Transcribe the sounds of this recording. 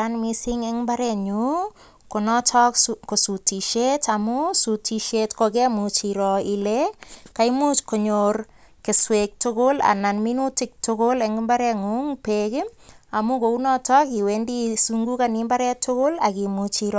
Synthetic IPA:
anmisiŋeŋmbaɾɛɲu | konɔtʰɔkkosutiʃetamusutiʃetkokemut͡ʃiɾɔilekaimut͡ʃkoɲor | keswek̚tʊkola̰nanminutik̚tʊkolɛŋɡmbaɾɛŋuŋpekɪmamukounɔtɔkiwendisuŋɡukanimbaɾɛtʰʊkolakimut͡ʃiɾɔ

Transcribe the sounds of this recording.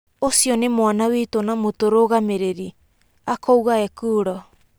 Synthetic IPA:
osiɔnemwanawitonamotoɾoɣameɾeɾi | akʰɔuɣaɛkuːɾɔ

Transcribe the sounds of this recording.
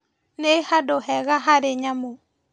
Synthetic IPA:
nehadohɛɣaɦaɾeɲamo

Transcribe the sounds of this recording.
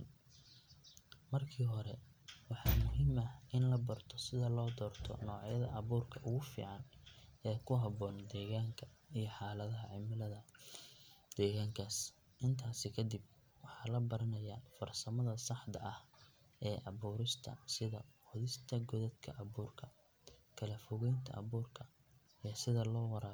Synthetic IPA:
mɐrkʰiːɦɔɾɛ | wɑħɑːmʊɦiːmɐɪnlɐbɐrt̪ʰɔsɪðɐlɔːd̪ɔːrt̪ʰɔ̰nɔːʕjɐðɐʔɑβuːrkʰɐʔʊɣʊfḭːʕɑnɛːkʰʊɦɐβɔːnd̪ɛːɣaːŋkʰɐijɞħɑːlɐðɐɦɐʕɪmɪlɐðɐ | d̪̥ɛːɣaːŋkʰaːs | ʔɪnt̪ʰaːsɪkʰɐd̪ɪb̚ | wɑħɑːlɐbɐɾɐnɐjaːfɐrsɐmɐðɐsɑħd̪ɐ̰ʔɐh | ʔɛːʔɑβuːɾɪst̪ʰɐ̰sɪðɐqʊðɪst̪ʰɐɡɔðɐd̪kʰɐʔɐβuːrkʰɐ | kʰɐlɐfɔɣɛjnt̪ʰɐ̰ʔɐ̰βuːrkʰɐ | ijɔsɪðɐlɔːwɑɾaː

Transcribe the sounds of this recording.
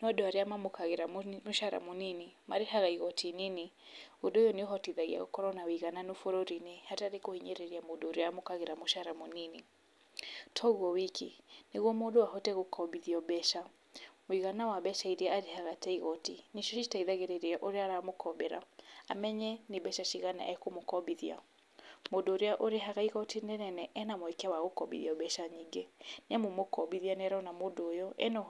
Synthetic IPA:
niadɔaɾiamamukaɣiɾamuʃaɾa̰muninimaɾiɦaɣaiɣɔtʰininiudɔjɔnɔɦɔtiðaɣḭa̰ɣɔkɔɾɔnawiɣananufɔɾɔɾinɛhataɾikɔhiɲɛɾɛɾiamuɗɔɾiamukaɣiɾamuʃaɾamunini | tʰɔɣɔwikḭniɣɔmɔɗɔwaɦɔtɛɣukʰɔbiðiɔbɛʃa | moiɣanawabɛʃaiɾiaɾihaɣatɛiɣɔtiniʃɔʃitaiðaɣeɾɛɾeɛʔoɾeaɾamokɔbɛɾa̰a̰mɛɲɛnebɛʃaʃiɣanɛ̰ʔa̰ɛkomokɔbiðia̰ | modoːɾeaʔoɾeɦaɣaiɣɔtinɛnɛnɛʔɛnamoɛkawaɣokɔbḭðiɔbɛʃaɲiŋɡɛnɛmomokɔbiðianɛɾaɔnamodojɔʔɛ̰nɔ

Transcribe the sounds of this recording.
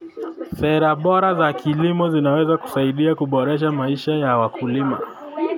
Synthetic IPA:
sɛɾaɓɔɾazakilimɔzinawɛzaku̥saiɗiakuɓɔɾɛʃ̬amaiʃajawakʰulima̰

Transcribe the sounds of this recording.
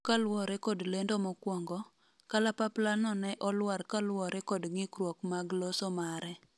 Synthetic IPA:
kalwɔɾɛkodlendomɔkwɔŋɡɔ | kalapaplanɔnɛʔɔlwarkalwɔɾɛkodŋɪkɾwɔkmaɡlosɔmaɾɛ

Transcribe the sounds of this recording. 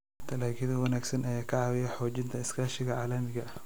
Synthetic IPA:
t̪ʰɐlaːɡɪðɐwɐnaːɡsɐnʔɐjaːkʰɐʕɑːwɪjɛħɔːt͡ʃɪnt̪ʰɐɪskʰaːʃɪɣɐʕaːlɐmɪɣɐ

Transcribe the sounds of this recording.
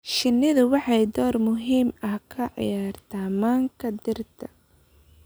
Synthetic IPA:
ʃɪnːɪðʊwɑħɑjd̪ɔːrmʊɦiːmɐhkʰɐʕɑ̰jaːrt̪ʰɐːmaːŋkʰɐd̪ɪrt̪ʰɐ̥

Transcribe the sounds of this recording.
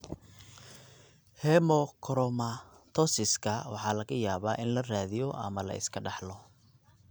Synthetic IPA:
hɛmɔkʰɔɾɔmɐt̪ʰɔsɪskʰɐwɑ̰ħɑːlɐɣɐjaːβa̰ːʔɪnlɐraːðɪjɔʔɐ̰mɐlɐ̰ɪ̰skʰɐɖɑħlɔ

